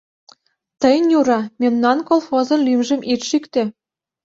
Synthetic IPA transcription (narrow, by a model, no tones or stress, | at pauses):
t̪ə̆jnjuɾɑmemnɑnkolˠxozɤ̆nlymʒə̆mʔit̪ʃykt̪ĕ